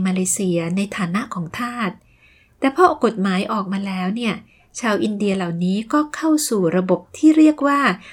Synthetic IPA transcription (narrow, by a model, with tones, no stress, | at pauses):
maː˧leː˧˦si˧ɐna˧jt̪ʰaː˨˩˦na˦˥ʔkʰɔː˩˦ŋt̪ʰaː˥˩t̪̚ː | ɛː˨˩pʰɾɔ˦˥ko˨˩t̪̚maː˩˦jʔɔː˨˩k̚maː˧lɛː˦˥wni˥˩ɐ | t͡ɕʰaː˧wʔi˧ndi˧ɐla˨˩wniː˦˥kɔː˥˩kʰa˥˩wsuː˨˩ɾa˧bo˨˩p̚t̪ʰiː˥˩ɾi˥˩ək̚waː˥˩